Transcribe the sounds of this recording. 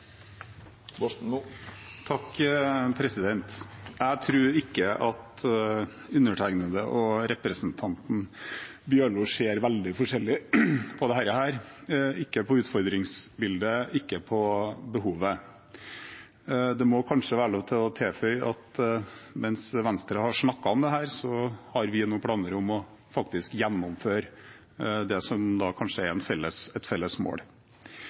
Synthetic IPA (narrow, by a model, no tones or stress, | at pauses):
t̪ʰɑkːpʰɾɛsɪd̪ɛnt̪jæɪt̪ʰɾʉːɾɪkːəʔɑt̪ | ʉnəʈʰæɪɡnəd̪əʔɔɾɛpɾəsənt̪ʰɑnt̪n̩ | bjøːɭʊʂeːɾʋæld̪ɪfɔʂɛlːɪpʰɔd̪ɛhæːɾəhæːɾɪkːəpʰɔʉːt̪fɔɾd̪ɾɪŋsbɪld̪əɪkːəpʰɔbəɦuːʋə | d̪ɛmɔkʰɑnʂəʋæːɾɔt̪ʰɪlɔt̪ʰeːfœʏʔɑt̪ | mɛnsʋɛnst̪ɾəhɑʂɳɑkːɑɔmd̪ɛɦæːɾsɔhɑɾʋɪnuːpʰɽɑːnəɾʊmɔ | fɑkt̪ɪskjɛnːɔmføːɾ | d̪ɛsɔmd̪ɑːkʰɑnʂəæɾɛnfɛlːəsɛt̪fɛlːəsmo̰ːɽ